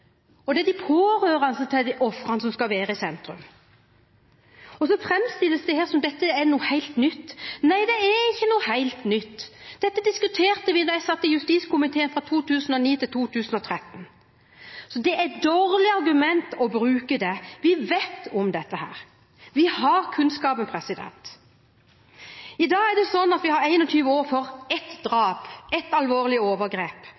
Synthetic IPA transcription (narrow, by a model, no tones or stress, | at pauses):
ɔd̪ɛd̪ɪpʰoːɾøːɾɑnsət̪ʰɪld̪ʔɔfʁɑnsɔmskɑʋeːɾəɪsɛnt̪ɾʉ̰m | ɔsɔfɾɛmst̪ɪlːəsd̪ɪheːɾsɔmd̪ɛt̪ːəɛnuːəhæɪlt̪nʏt̪ːnæɪd̪ɛæɾɪçːənuːəhæɪlt̪nʏt̪ːd̪̥ɛt̪ːəd̪ɪskʉt̪ʰeːɾt̪əʋɪnɑjæɪsɑt̪ːɪjʉst̪iːskʊmɪt̪ʰeːənfʁɑt̪ʰuːt̪ʉːsn̩ɔniːt̪ʰɪlt̪ʰuːt̪ʰʉːsnɔt̪ʰɾɛt̪ːən | sɔd̪ɛʔæɪd̪oːɾlɪɑɾɡʉmɛnt̪ɔbɾʉːkəd̪ɛʋɪʋeːt̪ɔmd̪ɛt̪ːəhæ̰ːɾ | ʋɪhɑɾkʰʉnskɑːbənpʰɾɛsɪd̪ɛ̰nt̪ | ɪd̪ɑːɡæɾɖ̪ɛsɔnːɑt̪ʋɪhɑɾæɪnɔt̪ʰyːʋəoːɾfɔɾɛt̪d̪ɾɑːpɛt̪ɑlʋoːʁlɪoːʋəɾɡɾeːp